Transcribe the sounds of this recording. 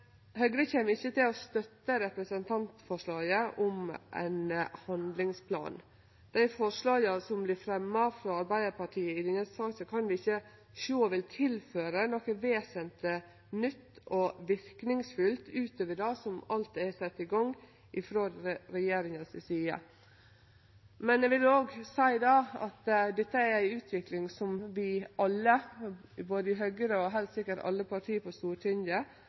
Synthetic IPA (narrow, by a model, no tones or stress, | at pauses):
hœɡɾəçeːməɾɪçːət̪ɪlɔst̪œt̪ːəɾɛpɾəsənt̪ʰɑnt̪fɔʂɭɑːɡəʔɔmʔæ̰ɪnhɑnd̪lɪŋspʰlɑ̰ːn | d̪̥æɪfɔʂɭɑːɡɑsɔmblɪɾfɾɛmːɑfɾɔːɑɾbæɪd̪əɾpɑʈʰiːəɪd̪ɪnəssɑːɡsɔkʰɑnʋɪɪçːə | ʃoːʋɪlt̪ʰɪlføːɾənokəʋeːsənt̪ə | nʏt̪ːɔʋɪɾknɪŋsfʉlt̪ʉːt̪ʰøːʋəɖɑːsɔmɑlt̪æsɛt̪ːɪɡɑŋ | ʔɪfɾoːd̪ɾɛjeːɾɪŋəsɪsiːə̰ | mɛnɛʋɪloːɡsæɪd̪ɑːɑ̰t̪d̪ɛt̪ːəæɾæɪʉːt̪ʰʋɪklɪŋsɔmʋɪʔɑlːəboːd̪əɪɦœɡəɾəɔɦæɪlt̪sɪkːəʈɑ̰lːəpʰɑʈʰiːpʰɔst̪uːʈʰɪnd̪ə